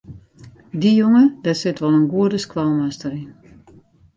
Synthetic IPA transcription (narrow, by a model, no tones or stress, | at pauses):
dijoŋədasɪtʋɔlˠənɡuədəskʋalˠmastəɾin